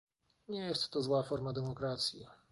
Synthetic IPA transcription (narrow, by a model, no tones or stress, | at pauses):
ɲɛjɛst̪ːɔzwafɔɾmad̪ɛmɔkɾat̪sʲji